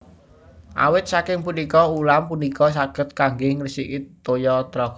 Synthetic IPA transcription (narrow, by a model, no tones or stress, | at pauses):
ʔa̰wɪt̪̚sakɪŋpunikɔulampunikɔs̬aɡ̥ə̤t̪̚kaŋɡɪŋrisikit̪ːojɔt̪ɾɔk